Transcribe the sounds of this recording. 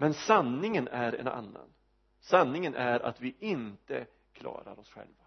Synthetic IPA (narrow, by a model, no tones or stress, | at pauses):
mɛnsanːɪŋənæɾɛ̰na̰nːa̰n | sanːɪŋənʔæɾa̰t̪vɪʔɪnt̪ə | kʰlɑ̰ːɾaɾɔsɧɛ̰lva